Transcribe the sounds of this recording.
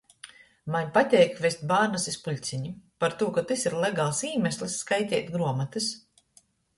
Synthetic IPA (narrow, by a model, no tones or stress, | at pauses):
maɲʲpat̪ʲɛːjkvest̪̚ʲbaːɾnasispuʎʲt̪sʲiɲipaɾt̪uɔkat̪ɨsiɾlˠɛɡaːlˠsiːmʲɛsʲlʲˠisːkajt̪ʲɛ̰ːt̪ɡɾuɔmat̪ɨs